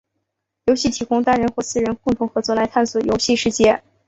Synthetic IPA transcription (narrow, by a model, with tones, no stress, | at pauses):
jo˧˥ʊɕi˥˩t̪ʰi˧˥kʊ˥ŋt̪a˥˩nɻə˧˥nxwɔ˥˧sɹ̩˥˩ɻə˧˥nkʊ˥˩ŋt̪ʰʊ˧˥ŋxɤ˧˥t͡swɔ˥˩la˧˥ɪt̪ʰa˥˩nswɔ˨˩jo˧˥ʊɕi˥˧ʂɻ̩˥˧t͡ɕjɛ˥˩